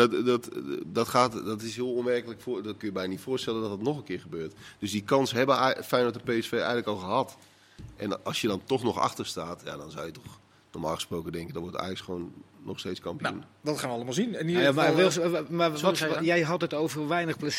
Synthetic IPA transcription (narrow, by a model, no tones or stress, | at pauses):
dɔtdɔtxaːtdɔtɪsɦiəlˠuəmɛrkələkfdɔt̚kønjəbɛjnənitfʊːstɛləndɔtdətnɔxənkɪːxəbøːrtd̥øsdikɑnsɦɛbəfɛjnʋɔtəpeːɛsfeːɛ̰jɣələkɔlˠxəɦɑt | ʔɛ̰nɑ̰lˠsjədɔntɔxnɔxa̰xtərstaːtja̰dɔnzawjətɔx | nɔ̰rmaːlˠxəsproːkəndɛŋkəndɔnʋɔrta̰ːjksχəʋoːnːɔxsteːt͡sskɑmpijundɔtχaːnʋəɑlˠəmalˠzinɛnimaʋɛsmaɔjɛjɦɔtətowvərʋɛjnəxpləs